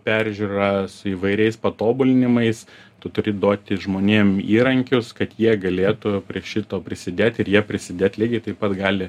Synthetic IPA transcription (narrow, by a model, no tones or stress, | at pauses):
pʲæːɾʲʒʲuːɾɐsʊiːʋɐɪɾʲɛɪspɐt̪oːbʊlʲɪnʲɪmɐɪs | t̪ʊt̪ʊɾʲɪd̪oːt̪ʲɪʒmoːnʲeːmiːɾɐŋʲkʲʊskɐt̪jiɛɡɐlʲeːt̪ʊpʲɾʲiɛʃʲɪt̪oːpʲɾʲɪsʲɪd̪ʲeːt̪ʲɪɾjiɛpʲɾʲɪsʲɪd̪ʲeːt̪ʲlʲiɡʲɪt̪ɐɪpɐt̪ɡɑːlʲɪ